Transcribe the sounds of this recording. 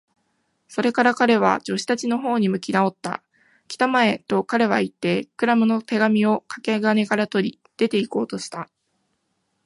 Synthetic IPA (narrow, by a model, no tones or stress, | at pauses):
so̞ɾe̞kaɾakaɾe̞β̞a̰d͡ʑo̞ɕi̥t̪at͡ɕino̞ɦo̞ːɲ̟imɯ̟kʲinao̞t̪ːa̰ | kʲi̥t̪amae̞t̪o̞kaɾe̞β̞ait̪ːe̞kɯ̟ɾamɯ̟no̞t̪e̞ɡamʲio̞kḁkeɡɯane̞kaɾat̪o̞ɾʲi | d̪̥e̞t̪e̞iko̞ːt̪o̞ɕi̥t̪a